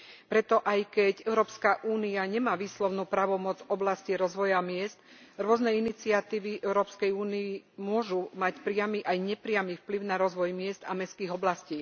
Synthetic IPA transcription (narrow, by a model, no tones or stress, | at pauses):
pɾɛt̪ɔʔajkɛcɛʊɾɔːpskaʔuːniaɲɛmaːʋiːslɔʊnuːpɾaːʋɔmɔd͡zɔblasciɾɔzʋɔjamɪɛst̪ɾʊɔznɛinit͡siat̪iːʋiʔɛʊɾɔːpskɛjuːniimʊɔʒumacpɾɪamiʔajɲɛpɾɪamiːfpliʊnaɾɔzʋɔjmɪɛzd̪amɛskiːɣɔblasciː